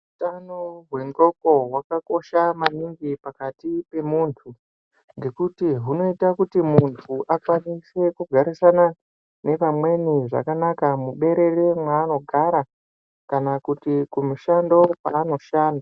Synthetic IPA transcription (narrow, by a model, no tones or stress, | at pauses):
utanoɦwe̞ŋɡo̞ko̞ɦwakako̞ʃamaniŋɡipakatipe̞muːntʰu | ŋɡe̞kutiɦuno̞itakutimuntʰuʔakwanise̞kuɡʱaɾisana | ne̞ʋamwe̞niʐa̰kanakamuɓe̞ɾe̞remwaːno̞ɡʱaɾa | kanakutikumuʃando̞pa̰ːno̞ʃaːnda